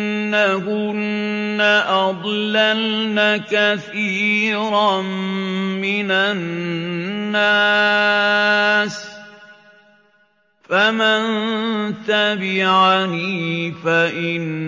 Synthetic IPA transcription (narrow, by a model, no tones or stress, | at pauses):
akʊnːaʔɑd̪ˤlalnakaθiːɾammɪnanː | a | s | famant̪abɪʕaniːfaʔɪn